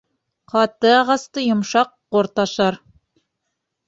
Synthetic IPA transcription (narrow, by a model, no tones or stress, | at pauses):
qɑt̪ɤɑʁɑst̪ɤjŏmʃɑqːŏɾt̪ɑʃɑɾ